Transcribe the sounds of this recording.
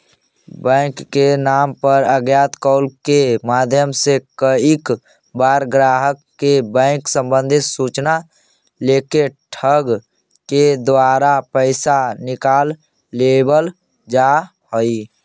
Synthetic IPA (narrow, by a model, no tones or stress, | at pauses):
bɛ̃ɪkːenaːmpəɾəɡjaːt̪kɔʊlkemaːd̪ʱjəmsekəik | baːɾɡɾaːɦəkːebɛ̃ɪ̃ksə̃mbə̃nd̪ʱɪt̪suːt͡ʃna | leːkeʈʰəɡ | ked̪waːɾapəɪsanɪkaːlː | ebəl | d͡ʒa | hoi